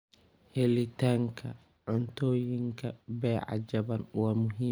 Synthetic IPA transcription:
hɛlit̪aŋkʰɐ | ʕʊnt̪oːjiŋkʰɐbɛːʕa̰d͡ʒɐbɐnwamʊɦi

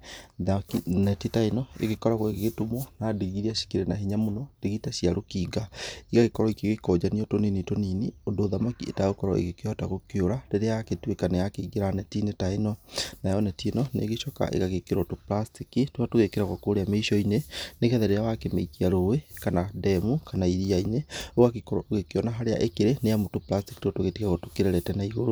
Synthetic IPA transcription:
ðakinɛtitainɔḛɣekɔɾaɣwɔeɣeɣetomwɔnadiɣiɾiaʃi̥kiɾɛnaɦiɲamonɔd̥iɣitaɕiaɾokiːɡaiɣaɣekɔɾɔikeɣekɔd͡ʑaniotoninitoniniondoːðamakiḛtaɣokɔɾɔ̰ʔḛɣekeɔtaɣokjoɾaɾeɾeaaketwekanɛjakeɣeɾanɛtinetainɔnajɔnɛtinɔnḛɣeʃɔka̰ʔḛɣaɣekeɾotoplastikitoɣatoɣekeɾaɣakoɾeameiʃɔineneɣeaðɛɾeawakemeikiaɾowekanadɛmukanaiðiaineoɣakekɔɾɔoɣekeɔnaɦaɾea̰ʔekeɾeneamotoplasti̥kitotoɣetiɣaɣotokeɾeɾɛtɛnaiɣoɾo

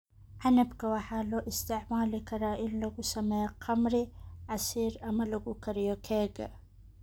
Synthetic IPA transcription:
ʕanɐbkɐwaħaloʔɪst̪ɪʕmaːlikɐɾaːʔilːɐɡusɐmeqʰɐmɾiʕasiːɾɐmɐlɐɡukɐɾijokʰeɡɐ̰

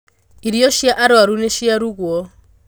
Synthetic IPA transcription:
iɾiɔʃiaʔaɾɪwaɾuneʃiaɾukuɔ

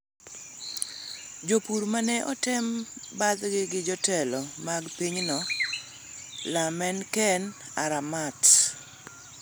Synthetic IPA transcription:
d͡ʒopuɾmanɛʔɔtɪmbad̪ɡɪɡɪd͡ʒɔtɛlɔmaɡpiɲnɔ | lamɛnkɛn | a̰ɾamat

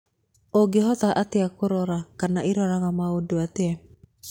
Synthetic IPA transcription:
oɡeɦɔtaʔateakoɾɔɾakanaiɾɔɾaɣamaodoateɛ

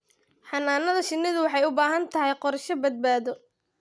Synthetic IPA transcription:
ħɑnaːnɐðɐʃɪnːɪðʊwɑħɑjʊbaːɦɐnt̪ʰɐɦɛjqɔɾʃɔbɐd̪̚baːðɔ

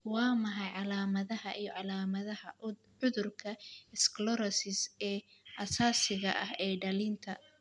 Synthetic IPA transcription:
wɑːmɐħɑjʕɑlaːmɐðɐɦɐʔijɔʕɑlaːmɐðɐhɐ | ʊðʊrkʰɐɪsklɔɾɐsɪsɛːʔɐsaːsɪɣɐʔɐhɛːɖɐlint̪ʰɐ

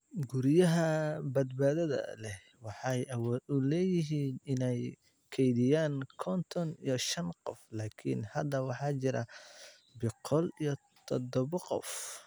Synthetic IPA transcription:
ɡʊɾjɐɦɐbɐd̪baːðɐðɐ̰lɛ | wɑħɑjwʊlɛːjɪɦiːnɪnɛj | kʰɛjðɪjaːŋkʰɔnt̪ʰɔnḭjɔʃɐnqɔflaːkʰḭnhɐd̪ɐwɑħɑːt͡ʃɪɾɐ̰ | bɪqʰɔlijɔ | t̪ʰɔd̪ɔβɐqɔ̰f

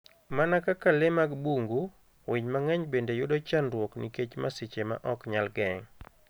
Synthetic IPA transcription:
manakakalɪmaɡbuŋɡu | wɪɲmaŋɛɲbendejʊdɔt͡ʃanɾwɔknḭket͡ʃmasɪt͡ʃema̰ʔɔkɲalɡɛŋ

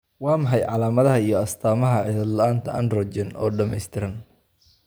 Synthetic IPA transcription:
wɑːmɐħɑjʕɑlaːmɐðɐɦɐijɞɐst̪ʰaːmɐɦɐʕɪðɐd̪lɐaːnt̪ʰɐʔɐ̰nrɔːt͡ʃɛnʔɔ̰ːɖɐmɛjst̪ʰɪɾɐn

